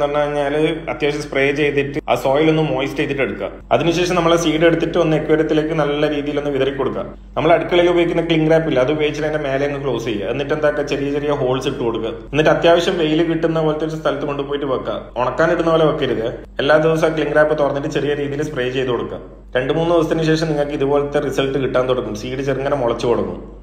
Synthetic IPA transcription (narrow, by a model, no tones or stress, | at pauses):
ɐɐnːaɐɲːaːlɐ̰t̪jaːʋɐɕjɐmspreːt͡ɕe̞jt̪ːiʈːɨɐ̰so̞ːjilonːumːo̞ːjstejt̪̬ːiʈːeɽukːa̰ | ɐ̰ðinɨiɕeːʂɐmnɐmːɐɭesiːɽe̞ɽut̪ːiʈːɨonːɨekːʋɐɾjɐt̪ːile̞ːkːɨnɐlːɐɾiːðijilonːɨʋiðɐrikʲːo̞ɽukːa̰ | nɐmːɐɭɐɽukːɐɭilubɐikʲːunːɐkɭiŋɡɾaːpːilːɐɐðɨubeːit͡ɕːɐɾɐndeme̞ːlejɐŋːɡɨkɭo̞ːsejːɐ̰enːiʈːe̞nd̪aːkːet͡ɕerijɐt͡ɕerijɐɦo̞ːɭsiʈːɨko̞ɽukːɐenːiʈːɨɐt̪jaːʋɐɕjɐmʋe̞jilɨkiʈːunːɐpoːlɐt̪ːoɾɨst̪ʰɐlɐt̪ːɨko̞ɳɖupo̞ːjiʈːɨpɐkːa̰oɳɐkːaːniɽunːɐpoːleokːeiɾuðɨ | e̞lːaːd̪iʋɐs̬ɐkɭiŋɡɾaːpːɨt̪orɐnːiʈ̬ːɨt͡ɕerijɐɾiːðijilsprejːt͡ɕe̞jt̪ukoɽukːa̰ | ɾe̞ɳɖɨmuːnːɨðiʋɐsɐt̪inɕ̬e̞ːʂɐmniŋːɐkːɨiðubo̞ːlɐt̪ːerisɐlʈːɨkiʈːaːnt̪oɽukːumsiːɽɨt͡ɕeriŋːɐnɐmoɭɐt͡ɕːɨkoɽunːṵ